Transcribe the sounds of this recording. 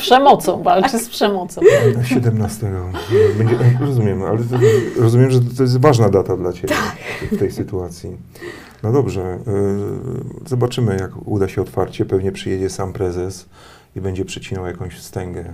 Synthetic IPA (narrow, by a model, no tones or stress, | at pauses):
pʂɛmɔt̪sɔ̃w̃valt͡ʂɘspʂɛmɔt̪sɔ̃w̪ɕɛd̪ɛmnast̪ɛɡɔbɛɲd͡ʑɛɾɔzumʲjɛma̰lɛɾɔzumjɛmʐɛt̪ːɔjɛst̪vaʐnad̪at̪ad̪lat͡ɕet̪ajɛkft̪ɛjsɘt̪uat̪sʲji | nɔd̪ɔbʐɛ | zɔbat͡ʂɘmɘjakṵd̪aɕɛɔt̪faɾt͡ɕɛpɛvɲɛpʂɘjɛd͡ʑɛsampɾɛzɛs | ibɛɲd͡ʑɛpʂɛt͡ɕinɔwjakɔ̃w̃ɕst̪ɛŋɡɛ